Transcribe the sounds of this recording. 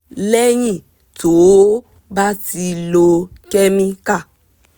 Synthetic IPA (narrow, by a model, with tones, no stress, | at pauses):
lɛ˦ɲĩ˦˨ | to˨o˦ | ba˦ti˨lo˨kɛ˦mĩ˦ka˦˨